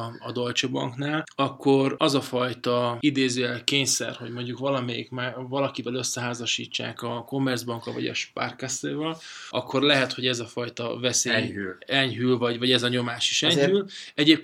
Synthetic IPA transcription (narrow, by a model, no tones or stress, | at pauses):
ɒd̪o̞lt͡ʃobɒ̰ŋknaːlɒkːo̞rɒzɒfɒjt̪ɒid̪eːzøːɛlkeːɲsɛ̰rho̞ɟmo̞ɲɟukʋɒlɒmɛjḭkmaːvɒlɒkibɛlø̞sːɛɦaːzɒʃḭːt͡ʃːa̰ːkɒko̞mːɛrdzbɒŋkɒ̰vɒ̰ɟɛ̰ʃpa̰rkaseːvɛlɒkːo̞rlɛɦɛt̪ho̞ɟɛzɒfɒjt̪ɒ̰vɛseːylɛɲɦylvɒɟvɒɟɛzɒɲo̞maːʃiʃɛɲylɛɟeːp̚